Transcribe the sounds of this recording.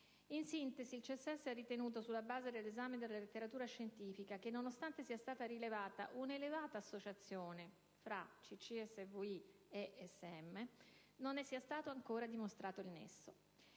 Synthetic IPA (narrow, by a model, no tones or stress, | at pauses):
insint̪eziːlt͡ʃiɛsːeɛsːeɛrːit̪enuːt̪osulːabaːzed̪elːezaːmed̪elalet̪ːeɾat̪uːɾaʃːent̪iːfikak̟enːonost̪ant̪esiast̪aːt̪aɾilevaːt̪a̰ʔunelevaːt̪aːsːot͡ʃat̪sːjoːne | fɾat͡ʃit͡ʃːiɛsːevui | eʔɛsːeɛmːe | nonːɛsːiːast̪aːt̪oaŋkoːɾad̪imost̪ɾʔaːt̪oilnḛsːo